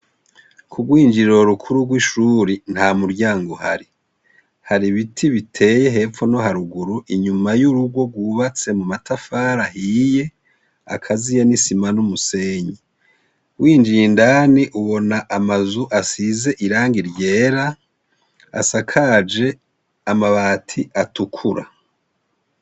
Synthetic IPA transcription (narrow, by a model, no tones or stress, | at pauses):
kʰuɡwiːnd͡ʒiɾo̞ɾukʰuɾuɡwiʃuːɾin̥hamuɾɟaːŋɡohaɾi | haɾiβitʰiβitʰe̞ːje̞ɦe̞ːfo̞no̞ɦaɾuɡuɾuʔiɲumajuɾuɡɡwo̞ɡwuːβat͡se̞mumatʰafaːɾahije̞ | a̰kʰazijanisimanumuse̞ːɲi | wiːnd͡ʒiːndaniʔuβo̞naʔamazuʔasize̞ʔiɾaːŋɡiɾɟe̞ːɾa | a̰sakʰad͡ʒe̞ | amaβaːtʰiʔatukʰuɾa̰